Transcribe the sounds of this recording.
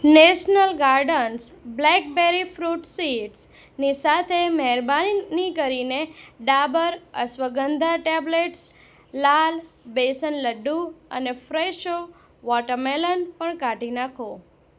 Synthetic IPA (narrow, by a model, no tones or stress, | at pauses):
neʃnəlɡaɾɖənsblɛk̚beɾifɾuʈsiʈs | nisat̪ʰemɛɦɾbaninikəɾineɖabəɾə̰sʋəɡənd̪ʱaʈebleʈs | lalbesənləɖːuə̰nefɾeʃo | ʋɔʈəɾmelənpəɳkaʈinakʰo